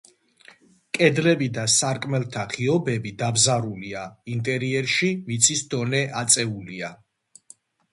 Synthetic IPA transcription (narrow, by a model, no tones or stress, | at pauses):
kʼɛd̪lɛbid̪asaɾkʼmɛlˠt̪ʰaχiɔbɛbid̪abzaɾuliaint̪ʼɛɾiɛɾʃimit̪sʰisd̪ɔnɛʔat̪sʼɛulia